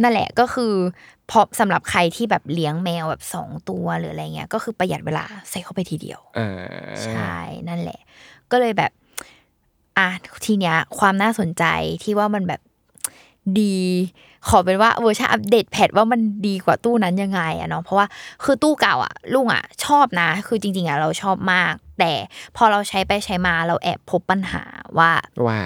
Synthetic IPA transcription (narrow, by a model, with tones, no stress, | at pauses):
na˥˩nlɛ̰˨˩ʔkɔː˥˩xʰɯː˧ | pʰɔ˦˥sa˩˦mɾa˨˩p̚kʰa˧jt̪ʰiː˥˩bɛː˨˩p̚li˦˥əŋmɛː˧wbɛː˨˩p̚sɔ̰ː˩˦ŋt̪u˧ɐɾɯː˩˦ʔa˧ɾa˧ja˨˩ŋːi˦ɐ˧kɔː˥˩xʰɯː˧pɾa˧ja˨˩t̪̚wḛː˧la̰ː˧sa˨˩jkʰa˥˩wpa˧jt̪ʰiː˧dḭ˧əwʔa̰ː˧t͡ɕʰa˥˩jna˥˩nlɛ̰˨˩ʔkɔː˥˩lɤː˧jbɛː˨˩p̚ | ʔa˧˩t̪ʰiː˧ni˦˥ɐkʰwaː˧mnaː˥˩so˨˩˦nt͡ɕa̰˧jt̪ʰiː˥˩waː˥˩ma˧nbɛː˨˩p̚ | diː˧ | kʰɔː˨˩˦pe˧nwaː˥˩ʔɤː˧˦t͡ɕʰa˥˩ʔa˧p̚deː˨˩t̪̚pʰɛ˨˩t̪̚waː˥˩ma˧ndiː˧kwaː˨˩t̪uː˥˩na˦˥nja˧ŋːa˧jʔa̰˨˩nɔ˦˥pʰɔ˦˥waː˥˩kʰɯː˧t̪uː˥˩ka˨˩wʔa̰˨˩lu˥˩ŋʔa̰˨˩t͡ɕʰɔː˥˩p̚na˦˥kʰɯː˧t͡ɕi˧ŋt͡ɕi˧ŋʔa˨˩ɾa˧wt͡ɕʰɔː˥˩p̚maː˥˩k̚t̪ɛː˨˩pʰɔː˧ɾa˧wt͡ɕʰa˦˥jpa˧jt͡ɕʰa˦˥jmaː˧ɾa˧wʔɛ̰ː˨˩pʰo˦˥pːa˧nha̰ː˩˦waː˥˩waː˥˩